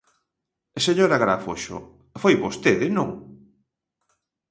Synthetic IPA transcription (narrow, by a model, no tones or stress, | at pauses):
seɲoɾaɣɾafoʃo̰ | fojβost̪eðɪnõŋ